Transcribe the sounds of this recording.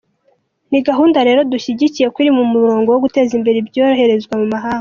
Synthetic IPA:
niɡaɦuːndaɾe̞ɾo̞duçiɟicije̞kwiɾimumuɾo̞ːŋɡo̞woɡute̞ːzimbe̞ɾebjoːɾohe̞ɾe̞zɡwamumaɦaːŋɡo

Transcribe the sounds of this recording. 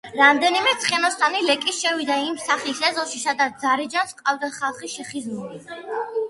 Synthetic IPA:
ɾamd̪ɛnimɛt̪sʰχɛnɔst̪ʰʼanilɛkʼisʃɛvid̪aimsaχisɛzɔʃisad̪at̪d̪zaɾid͡ʒansqʼavd̪asχalˠχiʃɛχizmuɾi

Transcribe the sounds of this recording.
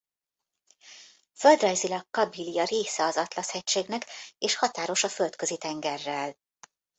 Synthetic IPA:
føld̪rɒjzilɒkːɒbiliɒɾeːsɛɒzɒt̪lɒshɛcʃeːɡnɛkeːʃhɒt̪aːɾo̞ʃɒfø̞lt̪kø̞zit̪ɛŋɡɛrːɛl

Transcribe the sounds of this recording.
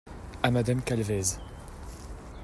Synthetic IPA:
amad̪amkalvɛz

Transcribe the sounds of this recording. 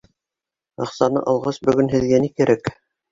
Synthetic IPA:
ɑqsɑnɤ̰ʔɑ̆lˠʁɑsbɵ̆ɡɵnɦɘ̆ðɡænikɘ̆ɾʔæk

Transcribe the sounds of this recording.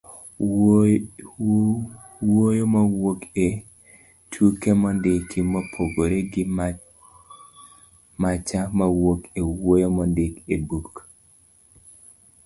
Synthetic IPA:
wojomawoke | tʰukemɔndɪkːɪmɔpʰoɡoɾeɡɪ | mat͡ʃamawokewojomɔndɪkebuk

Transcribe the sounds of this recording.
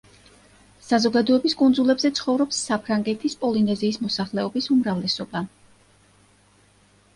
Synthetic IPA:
sazɔɡad̪ɔɛbiskʼund̪zulɛbzɛt̪sʰχɔvɾɔpsːapʰɾaŋɡɛt̪ʰispʼɔlinɛziːsmɔsaχlɛɔbisumɾavlɛsɔba

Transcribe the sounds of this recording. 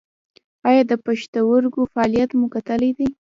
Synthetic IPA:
ɑjɑd̪əpaʃt̪awəɾɡofaɑlijat̪mukat̪əlajd̪aj

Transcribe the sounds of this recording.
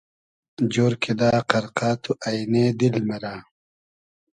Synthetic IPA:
d͡ʑoːɾkʰid̪aːqɐɾqaːt̪ʰuʔɐjneːd̪ilmɐɾaː

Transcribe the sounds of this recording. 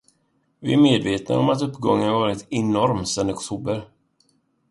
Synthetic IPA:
vɪæɾmeːd̪veːt̪na̰ɔmat̪ɵpːɡɔŋːənavɑːɾɪt̪ɛnɔɾmsɛnɔkt̪ʰuːbəɾ

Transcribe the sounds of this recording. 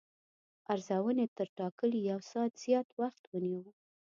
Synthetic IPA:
aɾzawənet̪əɾʈɑkəlijawsɑt̪z̥jɑt̪waxt̪wəniwə

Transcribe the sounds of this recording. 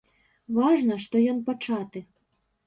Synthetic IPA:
vɑʐnɐʂt̪ɔjɔnpɐt͡ʂɑt̪ɨ

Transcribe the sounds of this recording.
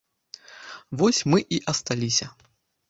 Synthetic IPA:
vɔsʲmɨʔiʔɐst̪alʲisʲɐ

